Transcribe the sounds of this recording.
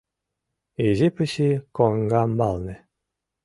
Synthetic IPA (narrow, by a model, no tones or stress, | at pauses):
eʑepɘ̆ɕikoŋɡɑmbɑlˠnʲĕ